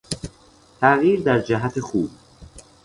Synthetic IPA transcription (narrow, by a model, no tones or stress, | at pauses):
t̪ʰæɣjiːɾd̪æɾd͡ʒæɦæt̪ʰexuːb